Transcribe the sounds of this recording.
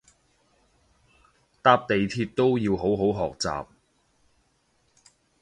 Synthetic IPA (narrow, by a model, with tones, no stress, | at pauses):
t̪aː˧p̚t̪e˨jt̪ʰiː˧t̚t̪o˥wjiː˧wɦo˨˥wɦo˨˥wɦɔː˨k̚t͡sa̰ː˨p̚